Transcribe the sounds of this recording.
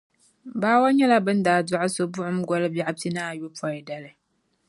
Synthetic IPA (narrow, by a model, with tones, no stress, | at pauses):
baː˦wa˦ɲɛ˦la˦bɨ˦n˦daː˨dʊ˦ʔʊ˦so˦bʊ˦ʔʊ˦m̩˦ɡɔ˦lɨ˦bja˨ʔa˦b̚tɨ˦naː˦˨jo˦pʰɔ˨jɪ˨da˨lɨ˨